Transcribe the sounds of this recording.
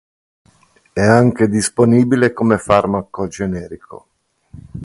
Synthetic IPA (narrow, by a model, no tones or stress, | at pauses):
ɛaŋk̟ed̪isponiːbilekomefarmakod͡ʒenɛːɾikʰo̰